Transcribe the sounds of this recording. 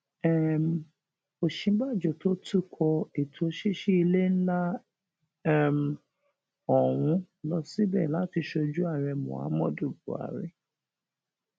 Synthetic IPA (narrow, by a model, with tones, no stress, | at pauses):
ɛ˦˨m˨ | o˨ʃĩ˨˦ba˦˨d͡ʒɔ˨to˦tu˦˨kʰɔ˧e˨tʰo˨˦ʃi˦ʃi˦i˧le˦n̩˦la˦ | ɛ˦˨m˨˧ | ɔ˨w̃ũ˧ | lɔ˧si˦bɛ̰˦˨la˦ti˧ʃo˧d͡ʒu˦a˦˨ɾɛ˧mṵ̃˨a̰˨˦mɔ̃˦˨du˦˨bṵ˨a̰˨ɾɛ̰˨